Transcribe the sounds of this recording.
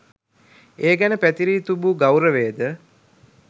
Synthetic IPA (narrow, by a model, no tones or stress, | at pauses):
eːɡænəpæt̪iɾiːt̪ubuɡawɾəʋeːd̪ə